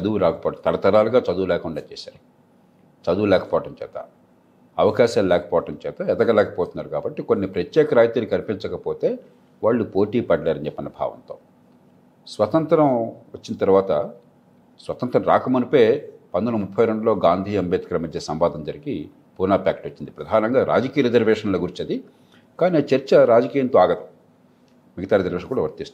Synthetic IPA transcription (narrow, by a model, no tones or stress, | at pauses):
t͡ʃɐd̪uwuɾaːkɐpɔːʈɐmt̪ɐlɐt̪ɐɾaːluɡaːt͡ʃɐd̪uʋulɛːkuɳɖaːt͡ʃɛ̰ːsa̰ːɾi | t͡ʃɐd̪uːlɛːkɐ̥pɔːʋɐʈɐmt͡ʃɛːt̪a̰ː | ɐʋɐkaːʃaːllɛːkɐ̥pɔːʋɐʈɐmt͡ʃɛːt̪aːɛt̪ɐɡalɛːkɐpɔːt̪unːaːɾukaːbɐʈːikonːipɾɐt̪jɛːkɐɾaːjt̪unikɐlpint͡ʃɐkɐpoːt̪eː | ʋaːɭːupo̞ːʈiːpɐɖlaːɾɐɲd͡ʒepːɐnːɐbʱa̰ːʋɐ̰nt̪o̞ː | sʋɐt̪ɐnt̪ɐɾɐmʋɐt͡ʃːinɐt̪ɐɾuʋaːt̪ɐ | sʋɐt̪ɐnt̪ɾɐmɾa̰ːkɐmɐnupeːpɐnd̪ɐnɐmupʰːɐjɾe̞ɳɖuloːɡaːnd̪ʱiːɐmbɛːt̪kɐlɐmɐd͡ʒ̪jɐsɐmʋaːd̪ɐmd͡ʒɐɾiɡi | puːnaːpaːkʈot͡ʃːind̪ipɾɐd̪ʱaːnɐŋɡaːɾa̰ːd͡ʒɐkijɐɾed͡ʒɐɾʋɛːʂɐnloːɡuɾit͡ʃɐd̪i | kaːniːt͡ʃɐɾt͡ʃɐɾaːd͡ʒɐkiːjɐnt̪oːaːɡɐt̪ɐm | miɡɐt̪aːɾezɐɾʋɛːʃɐ̃nkuːɽɐʋɐɾt̪ist̪u